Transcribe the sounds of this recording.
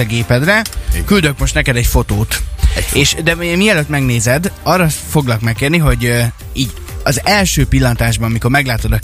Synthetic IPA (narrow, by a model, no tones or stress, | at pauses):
ɛɡeːpɛd̪rɛkyld̪ø̞kmo̞ʃt̪nɛkɛd̪ɛcfo̞t̪oːt̪eːʃd̪ɛoɛmiɛløt̪mɛɡneːzɛd̪ɒrːɒfo̞ɡlɒkmɛkːeːrniɦo̞ɟ | iːɟ | ɒzɛlʃøːpilːɒnt̪aːʒbɒnɒmiko̞rmɛɡlaːt̪o̞d̪ɒ